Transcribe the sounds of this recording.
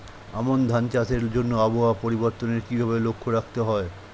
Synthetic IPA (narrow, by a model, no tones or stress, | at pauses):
amond̪ʱant͡ɕat̪eɾd͡ʑonːoaboɦapoɾiboɾt̪oneɾkibʱaβelokʰːoɾak̚ʰt̪eɦɔe